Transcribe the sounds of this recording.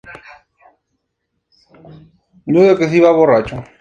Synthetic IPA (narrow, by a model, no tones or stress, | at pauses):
nuðekes̬iβaβorat͡ʃo